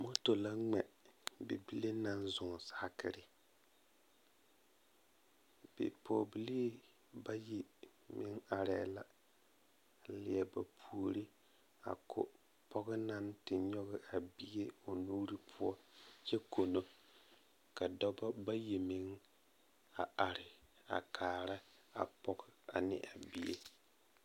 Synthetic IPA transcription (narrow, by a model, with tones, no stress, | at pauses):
mo˦to˨la˦ŋɛ˨bḛ˨bi˦le˦na˦nzʊ˨ŋ˨sa˦a˦kɪ̰˦ɾɪ˦ | b̥ɪ̰˨pʰoː˨bi˦li˦ | ba˦ji˨ | mɪ˦ŋa˨ɾɛ˨la˨ | lɪ˨ɛ˨ba˨pʰu˨o˨ɾi˦ | a̰˨kʰʊ̰˨ | pɔ˦ɣɪ˦na˦ntɪ˨ɲɔ˦ɣɪ˦ʔa˨bi˦e˦o˨nu˦ɾi˦pʰʊ˦ɔ˦t͡ʃɛ˦kʰo˨no˦ | ka˨dɔ˦bɔ˦ba˦ji˨mɪ˨˦ŋ | a˨ʔa˨ɾɪ˨ | a̰˨kʰaː˨ɾa˦a̰˨pɔ˦ɡa˨nɪ̰˨ʔa˨bi˦jḛ˦